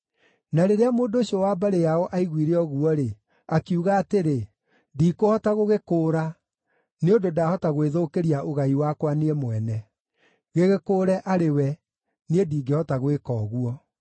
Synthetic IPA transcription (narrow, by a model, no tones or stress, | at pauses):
naɾeɾeamoːndoɕiɔwaːbaɾejaɔʔaiɣwiɾeɔɣuɔɾe | akiuɣaːteɾe | diːkohɔtaɣoɣekoːɾa | neododaːhɔtaɣweðokeɾiaʔoɣaiwakwaneɛmwɛnɛ | ɣeɣekoːɾɛʔaɾewɛ | niediːɡehɔtaɣwekɔːɣuɔ